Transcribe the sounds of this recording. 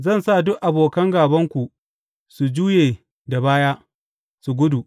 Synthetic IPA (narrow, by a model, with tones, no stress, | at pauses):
zɐ˦˨nsa˦˨dʊ˦ʔʔa˨boː˨kɐ˦ŋɡaː˨bɐ˦ŋkʷu˨ | su˨d͡ʒuː˦jeː˨ | da˨baː˦jaː˦ | su˨ɡʷʊ˦du˨